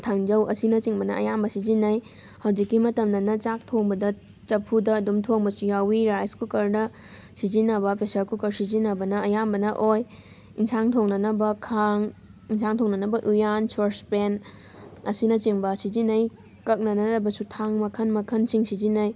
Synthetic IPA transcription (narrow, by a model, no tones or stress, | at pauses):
tʰaŋd͡ʒɐwɐsinɐt͡ʃiŋbɐnɐ̰ɐ̰jambɐsizinːɐj | hɐwd͡ʒikːimɐtɐmnɐnɐt͡ʃak̚tʰoŋbɐdɐ | t͡ʃɐpʰudɐːdumtʰoŋbɐsujawiɾajskʰukɐɾnɐ | sizinːɐbɐpesɐɾkʰukɐɾsizinːɐbɐnɐɐjambɐnɐʔoj | insaŋtʰoŋnɐnɐbɐkʰaŋinsʰaŋtʰoŋnɐnɐbɐʔujansoɾspen | ɐsinɐt͡ʃiŋbɐsizinːɐj | kɐk̚nɐnɐɐbɐsutʰaŋmɐkʰɐnmɐkʰɐnsiŋsizinɐj